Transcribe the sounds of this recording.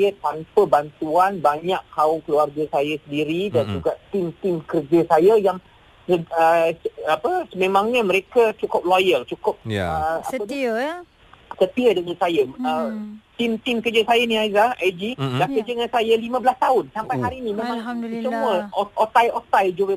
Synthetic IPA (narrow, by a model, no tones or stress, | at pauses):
ət̪ampəbant̪uanbaɲakkaʊmkluarɡasajasəndiɾidand͡ʒuɡaʔt̪ɪmt̪ɪmkərd͡ʒəsajajaŋ | səəapəsəmẽmãŋɲaməɾekat͡ʃukʊp̚lojəlt͡ʃukʊp̚əaəd | sət̪iədəŋansajaət̪imt̪ɪmkərd͡ʒəsajanĩazaad͡ʒilahkərd͡ʒəŋansajalimãbəlast̪aʊnsampajɦaɾinĩmẽmãŋsəməʔot̪ajot̪ajd͡ʒoə